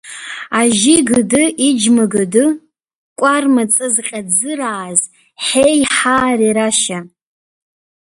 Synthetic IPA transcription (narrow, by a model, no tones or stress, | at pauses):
aʒiɡɨdɨʔid͡ʒmaɡɨdɨ | kʷʼarmat͡sʼɨzqʲʼad͡zɨraːz | ħejħaːriɾaʃa